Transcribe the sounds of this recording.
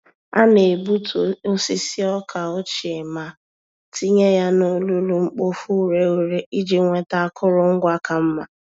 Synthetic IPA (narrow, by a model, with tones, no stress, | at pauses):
a˦ne˨bu˦to˦si˦si˦ɔ˦kʰa˨o˦t͡ʃi˨e˨ma˨ | ti˦ɲe˦ja˦no˦lu˦lu˦ŋ͡m̩˦k͡po˦fu˦˨ɾe˨˦ɾe˨˦i˦d͡ʒe˦ŋʷe˦ta˦a˦kʰʊ˦ɾʊ˨ŋ̩˦ɡʷa˦ka˨m̩˦ma˨